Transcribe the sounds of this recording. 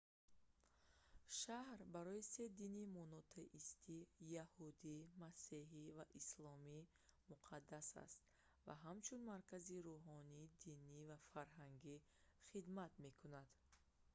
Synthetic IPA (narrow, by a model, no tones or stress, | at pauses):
ʃahɾbaɾɔise̞d̪inimɔnɔt̪ʰeʔist̪ʰijahud̪imaseɦivaʔislɔmi | muqʰad̪ːasa̰st̪ | va̰ɦamt͡ʃʰunmaɾkʰaziɾuɦɔnid̪inivafaɾɦaŋɡi | χid̪mat̪me̞kʰunad̪̥